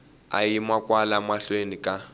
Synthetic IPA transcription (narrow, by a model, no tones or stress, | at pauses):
a̰jimakʼwalamaɬwenikʼa